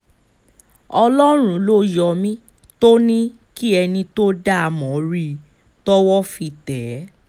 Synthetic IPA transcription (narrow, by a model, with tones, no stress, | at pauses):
ɔ˧lɔ˦ɾ̃ũ˨˦lo˦jɔ˧mĩ˦ | to˦nĩ˦ | ki˦ɛ˧nĩ˧to˦da˦a˨˧mɔ̃˨ɾi˧ | tɔ˦wɔ˦fi˧tɛ˨˦